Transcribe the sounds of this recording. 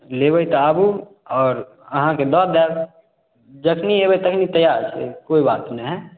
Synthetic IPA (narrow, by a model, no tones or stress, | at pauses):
leːbəit̪aaːbu | ɔːɾ | əɦãked̪ɔːd̪ɛb | d͡ʒəkʰnieːbəit̪əkʰnit̪əjaːɾt͡ʃʰḛkoːibaːt̪uneɦɛ